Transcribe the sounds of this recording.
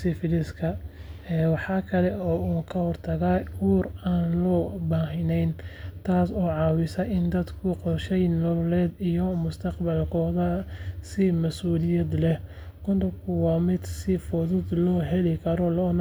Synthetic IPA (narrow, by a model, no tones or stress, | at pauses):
sɪfɪlɪskʰɐ | ɛːwɑħɑːkʰɐlɛɔːuːŋkʰɐhɔrt̪ʰɐɣaːhuːraːnlɔːbaːɦɪnɛjnt̪ʰaːsɔːʕɑːwɪsɐʔɪnd̪ɐd̪kʰʊqɔrʃɛjnɔlɛːd̪ijɔmʊst̪ʰɐqbɐlkʰɔːðɐsɪmɐsuːlɪjɐd̪lɛh | kʊnd̪ʊbkʰʊwɑːmɪd̪sɪfɔðʊd̪lɔːɦɛlɪkʰɐɾɔlɔːn